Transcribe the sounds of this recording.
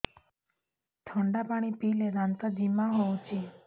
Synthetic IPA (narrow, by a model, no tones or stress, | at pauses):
t̪ʰəɳɖapaɽ̃ipileɾãnt̪ad͡ʒimaɦoũt͡ʃʰe